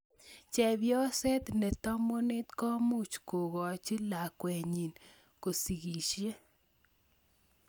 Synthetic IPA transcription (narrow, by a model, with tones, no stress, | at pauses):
t͡ʃɛ˨bjɔ˦sɛ˦t̪nɛ˨t̪ɔ˦mo˦nɪ˦t̪kɔ˦mu˦t͡ʃko˨ɡɔ˨t͡ʃi˦la˨kwɛ˨ɲi˨n | ko˨si˨ɡi˨ʃje˦